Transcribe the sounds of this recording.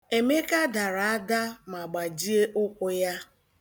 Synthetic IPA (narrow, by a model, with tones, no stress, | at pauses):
e˨me˦ka˦da˨ɾa˨a˦da˦ma˨ɡ͡ba˨d͡ʒi˦e˦ʔʊ˦kʷʊ˦ja˦